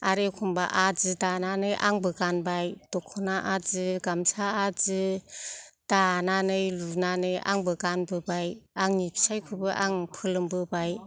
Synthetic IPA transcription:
aɾekʰumbaʔazɯdananɯjʔaŋbɯɡanbajd̥ɔkʰɔnaʔazɯɡamsaazɯ | d̥ananɯjlunanɯja̰ŋbɯɡanbɯbajaŋnipʰi̥sajkʰɯbɯʔaŋpʰɯlɯmbɯbaj

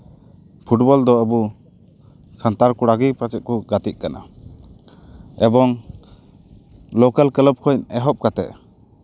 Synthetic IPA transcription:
pʰuʈbɔld̪ɔəbu | sant̪aɾkuɽaɡipat͡ʃɛt̪̚kuɡat̪ic̪̚kana̰ | ɛbɔŋ | lɔkalkələp̚kʰɔɛɦɔp̚kat̪ɛ̰ʔ

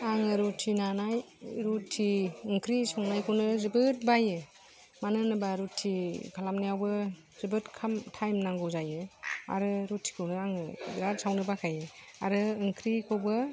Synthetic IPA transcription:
aŋɯɾutʰinanaj | ɾutʰːiɯŋkʰɾisɔŋnajkʰɯwnɯzɯbɯt̚bajɯ | manɯnɯbaɾutʰːikʰalamnijawbɯ | zɯbɯtkʰamtʰajmnaŋɡɯwzajɯa̰ɾɯɾutʰːi̥kʰɯwnɯaŋɯɾat̚sʰawnɯbakʰajɯa̰ɾɯɯŋkʰɾikʰɔwbɯ

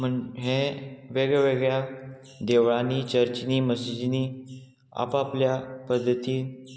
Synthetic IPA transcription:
m̤əɳɦẽʋeɡɭɛʋeɡɭja | d̪eʋɭaniːt͡ɕəɾt͡ɕniːməsid͡ʑniː | a̰papljapəd̪ʱːət̪iː

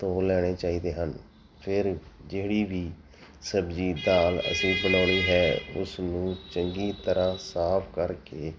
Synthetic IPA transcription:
t̪oːlɛːɽ̃eːt͡ʃaːiːd̪eːɦən | pʰɪɾd͡ʒeːɽiːʋiː | səbd͡ʒiːd̪aːlə̰sĩːbənaːɽ̃iːɦɛːʊ̰snũːt͡ʃəŋɡiːt̪əɾãːsaːpʰkəɾkeː

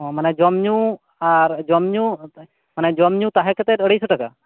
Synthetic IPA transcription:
ɔ̃manɛd͡ʒɔmɲu | aɾd͡ʒɔmɲu | manɛd͡ʒɔmɲut̪aɦɛkɛt̪ɛəɽejsuʈaka̰

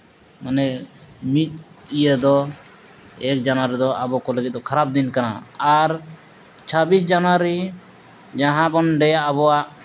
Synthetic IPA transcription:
manɛmit̪̚ijəd̪ɔ | ɛk̚d͡ʒanwaɾid̪ɔabɔkɔləɡɛt̪̚d̪ɔkʰaɾab̚d̪inkana̰aɾ | t͡ʃʰabisd͡ʒanaɾi | d͡ʒaɦãbɔnɖɛjaːβɔaʔ

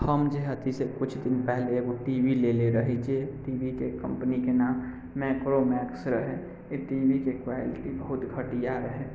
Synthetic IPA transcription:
həmd͡ʒeɦət̪isekʊt͡ʃʰd̪ɪnpɛɦleɡoʈiʋileleɾəɦet͡ʃeʈiːbikekə̰̃mpnikenaːmː | ɛkɾomɛːksɾəɦe | eʈibikekʋaɪlɪʈibəɦʊt̪ɡʱəʈijaɾəɦe

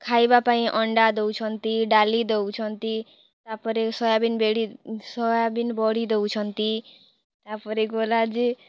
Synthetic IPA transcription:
kʰaibapaĩʔɔɳɖad̪ewt͡ʃʰɔnt̪iɖalid̪ewt͡ʃʰɔnt̪i | t̪apəɾesɔjabinbeɽisɔjabinbɔɽid̪ewt͡ʃʰɔnt̪i | t̪apəɾeɡolad͡ʒi

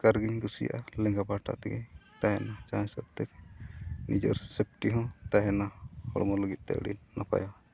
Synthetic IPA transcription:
kaɾɡiɲɡusija̰ʔalɛ̃ŋɡabaʈa̰ʔt̪ɛɡɛt̪aɦɛnat͡ʃãsəb̚t̪ɛk | nid͡ʒɔ̰ɾsep̚ʈiɦɔ̃t̪aɦɛnahɔ̰ɽmɔləɡit̪̚ˀt̪ɛ̰ʔɽḭnːapa̰ja

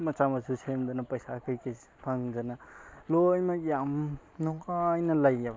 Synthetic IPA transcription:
mɐt͡ʃamɐsʰusʰemd̪ɔnɐpɐjsakʰɯjkʰi | pʰaŋzanalojmakjam | nɔkajnɐlɐjːab

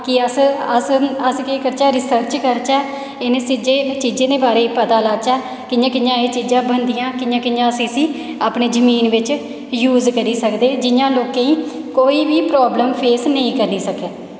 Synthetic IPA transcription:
kɪəsəsəskeːkəɾt͡ʃɛːɾɪsəɾt͡ʃkəɾt͡ʃɛː | ɪneːsɪd͡ʒeːt͡ʃiːd͡ʒeːd̪eːbaːɾeːipət̪aːlaːt͡ʃɛː | kɪjãːkɪjãːeːt͡ʃiːd͡ʒãːbənd̪ijãːkɪjãːkɪjãːsiːsĩː | aːpneːd͡ʒəmiːnʋɪt͡ʃ | juːzkəɾiːsəkd̪eːd͡ʒɪjãːloːkẽːĩːkoːiːʋiːpɾɔːbləmpʰeːsnəĩːkəɾniːsəkeː

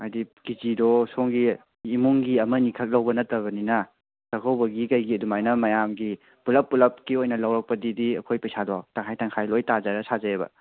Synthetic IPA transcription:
majdikizidɔsoŋɡiː | muŋɡiɐmɐnikʰɐk̚lɐwbɐnɐtːɐβɐninɐ | tɐkʰɐwbɐɡikɐjɡiɐdumajnɐmɐjamɡi | pulɐpːulɐp̚kiojnɐlɐwɾɐk̚pɐdidiɐkʰojpɐjsadɔtaŋɦajtʰaŋkʰajlojtazaɾɐsazɐebɐ̰

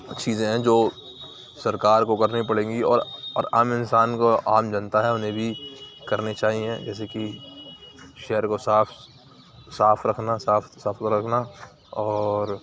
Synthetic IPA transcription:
t͡ʃiːzẽɦɛ̃d͡ʒoː | sɐɾkaːɾkokɐɾnipɐɽẽːŋɡiɔ̰ːɾɔ̰ːɾa̰ːmɪnsaːnkoaːmd͡ʒɐ̃nt̪aɦɛʊnɦẽbʱikɐɾnet͡ʃaːɦiẽd͡ʒɛːs̬eki | ʃɛːəɾkosaːpʰ | saːpʰɾɐkʰnasaːfʰsaːfʰɾɐkʰna | ɔːɾ

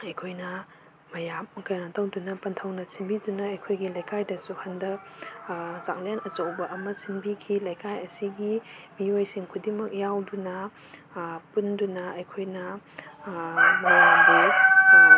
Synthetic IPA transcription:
ɐjkʰojnɐː | ɐjamkɐjnatɐwdunɐpɐntʰɐwnɐsinbidunɐɐjkʰojɡilɐjkajdɐsuhɐndɐk | za̰ŋlenɐt͡ʃɐwbɐʔɐmɐsinbikʰilɐjkajɐsiɡimiojsiŋkʰudimɐk̚jawdunɐ | pundunɐɐjkʰojnɐ | mɐjamdu

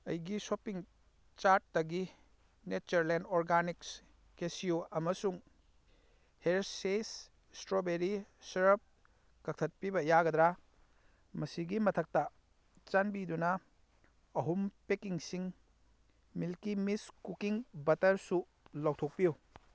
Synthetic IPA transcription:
ɐ̰jɡisopiŋ | t͡ʃaɾt̚ːɐɡi | net͡ʃɐɾlendoɾɡaniks | kesiuɐmɐsuŋ | heɾses | stɾobeɾisɐɾɐp̚ | kɐk̚tʰɐt̚pibɐjaɡɐd̪ɾa | mɐsiɡimɐtʰɐk̚tɐ | t͡ʃɐnbidunɐː | ɦumpekiŋsiŋ | milkimiskukiŋbɐtɐɾsu | lowtʰok̚piju

